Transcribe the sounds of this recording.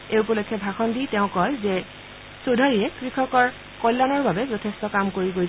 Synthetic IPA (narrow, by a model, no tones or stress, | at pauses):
eup̬ɔlojkʰːɛbʱaxɔnditɛʊ̃kɔlzɛ | sodʱaɹiɛkɹikʰɔkɔɹ | kɔjlːanɔɹbabɛzɔtʰestɔkamkoɹiɡoj